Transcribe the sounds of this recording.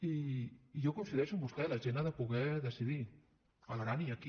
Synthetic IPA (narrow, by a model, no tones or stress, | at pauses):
iːʝokonsiðesumbust̪elaʒenaðepoɣeðesiði | alɾaniaki